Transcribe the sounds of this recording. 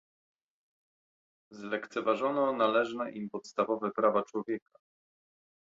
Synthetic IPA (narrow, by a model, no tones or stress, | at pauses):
zlɛkt̪sɛvaʐɔnɔnalɛʐnɛʔimpɔt̪st̪avɔvɛpɾavat͡ʂwɔvʲjɛka